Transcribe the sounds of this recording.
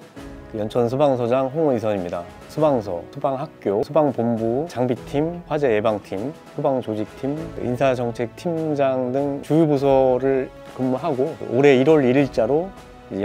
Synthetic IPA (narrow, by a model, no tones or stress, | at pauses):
jʌnt͡ɕʰʌns̬ʰubaŋsʰʌd͡ʑaŋɦoŋʌis̬ʰʌɲimɲida̰ | sʰubaŋsʰʌ̰sʰubaŋɦak̚k͈josʰubaŋpombut͡ɕaŋbitʰimɸwad͡ʑe̞ebaŋtʰim | sʰubaŋt͡ɕod͡ʑik̚tʰim̰insʰad͡ʑʌŋt͡ɕʰe̞k̚tʰimd͡ʑaŋdɯŋt͡ɕujubus̬ʰʌɾɯɭ | kɯmːuɦaɡo̰ʔoɾe̞iɾwʌɾiɾiɭt͡ɕ͈aɾo